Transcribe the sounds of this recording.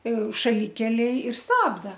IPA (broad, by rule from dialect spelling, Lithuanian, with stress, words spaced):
ʃɐˈlʲɪkʲɛlʲeːj ɪr ˈstɑːbdɐ